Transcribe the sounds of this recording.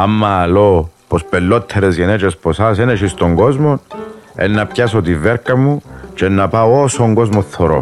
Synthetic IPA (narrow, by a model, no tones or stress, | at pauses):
amːɐːlopospelːot̪ʰːeɾezjenet͡ʃesposɐseneʃist̪oŋɡo̞zmonḛnːɐpçasot̪iveɾkɐmːut͡ʃenːɐpaosoŋɡozmoθːoɾo̰